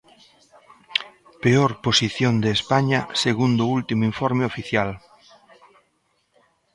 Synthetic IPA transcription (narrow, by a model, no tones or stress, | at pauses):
peoɾposiθjond̪eːspaɲɐseɣund̪ʊult̪imʊiɱfɔɾmeofiθjal